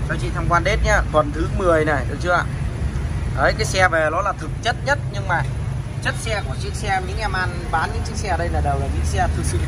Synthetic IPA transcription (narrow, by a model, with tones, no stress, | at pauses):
saː˨˦t͡ɕḭ˧˨t̪ʰaː˧mkwaː˧nɗe˦˥t̚ɲaː˧t̪ʰwə˨˩nt̪ʰɨ˨˦mɨ˨˩əjna˨˩jɗ̚t͡ɕɨ˨˦a̰ː˧˨ | ʔəː˨˦jkaː˨˦jsɛ˧vɛ˨˩lɔ˨˦laː˨˩t̪ʰɨ˨˩k̚t͡ɕə˦˥t̚ɲə˦˥t̚ɲɨ˧ŋmaː˨˩t͡ɕə˦˥t̚sɛ˧ku˧˩ət͡ɕi˦˥k̚sɛ˧ɲɨ̰˧˥˦ŋʔa˧mʔaː˧nɓaː˨˦nɲɨ̰˧˥ŋt͡ɕi˦˥k̚sɛ˧˩ɗə˧jlaː˨˩ɗaː˨˩wlaː˨˩t͡ɕḭ˧˥ŋksɛ˧t̪ʰɨ˨˩sɨ˧˩